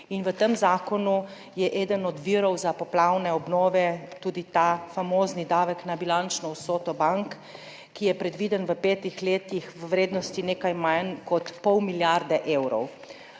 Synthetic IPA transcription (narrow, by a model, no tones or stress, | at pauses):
inʋət̪əmzaːkɔnu | jɛʔɛːd̪ənɔd̪ʋiːɾɔwzapɔplawnɛɔbnɔːʋɛt̪uːd̪it̪afamoːznid̪aːʋəknabilant͡ʃnɔwsoːt̪ɔbaŋkː | ijɛpɾɛd̪ʋiːd̪ənʋəpeːt̪ixleːt̪ixʋəwɾeːd̪nɔst̪ineːkajmankɔt̪pɔwmiljaɾd̪ɛʔewɾɔ̰w